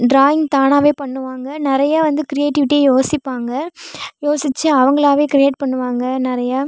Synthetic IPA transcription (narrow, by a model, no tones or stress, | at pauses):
ɖɾaːjɪŋɡt̪aːnaːʋeːpɐɳːɯʋaːŋɡɐnɪɾɐjaːʋɐnd̪ɯkɾɪjeːʈɪʋɪʈːiejoːsɪpːaːŋɡɐjoːsɪt͡ʃːɯɐʋɐŋɡɐɭaːʋeːkɾɪeːʈ̚pɐɳːɯʋaːŋɡɐnɪɾɐjaː